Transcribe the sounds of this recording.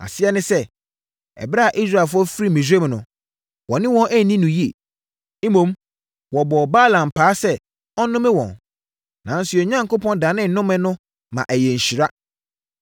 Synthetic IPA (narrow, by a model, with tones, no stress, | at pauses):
a̰˨sɪ˦ɛ˦nɪ̃˦sɛ˦˨ | ɛ̰˨bɾa˦a˨ʔi˦s̬ɾa˦˨fɔ˦fi˦ɾi˦mĩ˨s̬e˦m˨nʊ̰̃˨ | wɔ˨nɪ̃˦wɔ̃˦nʔæ˦˨nĩ˦nʊ̃˨ji˦e˨ | i˦mõ˨m | wɔ˨bɔ˨baː˦˨lã˨m˨pʰaː˨˦sɛ˦ | ɔ˦nʊ̃˦mɪ̃˦wɔ̰̃˨n | nã̰˨˦n̩˦sʊ˦ɛ˨ɲã˦ŋko˦pʰɔ̃˦ndaː˨˦nɪ̃˦n˨nʊ̃˦mɪ̃˦nʊ̃˦ | mã̰˨ʔæ˨jɛ˨ɲ̩˨ɕi˨ɾa˦